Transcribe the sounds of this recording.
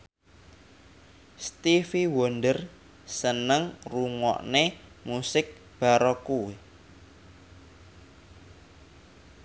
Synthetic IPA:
st̪ifiwɔndər | sənəŋruŋɔ̰ʔnemusɪk̚ | b̥a̤ɾɔkuwi

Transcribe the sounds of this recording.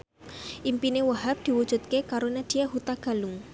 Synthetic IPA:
ʔimpinewəɦap̚d̪̥i̤wud̥ʒ̥ṳt̪̚kekaɾonad̪̥i̤ahut̪aɡ̥a̤lʊŋ

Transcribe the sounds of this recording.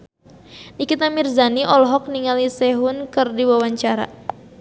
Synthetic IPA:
nikit̪amirzaniʔɔlɦɔk̚niŋalisɛɦʊnkɨrdiwawaɲt͡ʃaɾa̰

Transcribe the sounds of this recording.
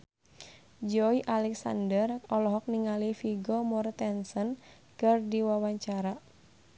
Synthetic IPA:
d͡ʒɔiʔalɛksa̰ndərɔlɔɦɔk̚niŋalifiɡɔmɔrt̪ɛnsɔn | kɨrdiwawaɲt͡ʃaɾa

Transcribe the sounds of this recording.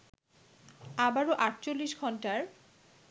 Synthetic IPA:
abaɾoʔaʈt͡ɕolːiʃɡʱɔnʈaɾ

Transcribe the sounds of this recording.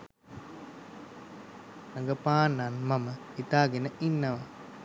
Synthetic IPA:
nəŋɡəpaːnːanmamə | it̪aːɡenəʔinːɐʋa

